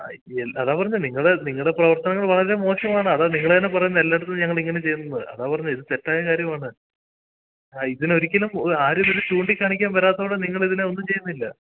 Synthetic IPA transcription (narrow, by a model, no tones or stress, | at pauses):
eɐðaːpɐrɐɲːɐniŋːɐɭeniŋːɐɭɖeprɐʋɐrt̪ɐnɐŋːɐɭʋɐɭɐɾe̞mo̞ːʂɐmaːɳɨɐðaniŋːɐɭt̪ɐnːepːɐrɐjunːɐelːɐeɽut̪unːɲɐŋːɐɭiŋːɐne̞t͡ɕe̞jːunːɐðɨ̰ʔɐ̰ðaːpɐrɐɲːɐiðɨtetːaːjɐkaːɾjɐmaːɳɨ | aiðino̞ɾikʲːɐlumoaːɾumiɾut͡ɕuːɳɖikʲːaːɳikʲːaːmʋɐɾaːt̪ːɐoːɽeniŋːɐɭiðineo̞nːumt͡ɕe̞junːilːɐ